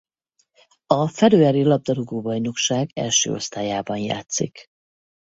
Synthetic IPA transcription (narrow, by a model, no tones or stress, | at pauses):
ɒfɛɾøːɛɾilɒb̚d̪ɒɾoɡoːbɒjno̞kʃaːɡɛ̰lʃø̰ːo̞̰st̪aːjaːbɒnja̰ːt̪sḭk